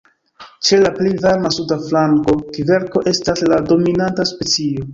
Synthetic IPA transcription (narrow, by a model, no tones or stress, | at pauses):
t͡ʃe̞laplejvaɾmasudaflaŋko̞kive̞ɾko̞ʔe̞staslado̞minantaspe̞t͡sio̞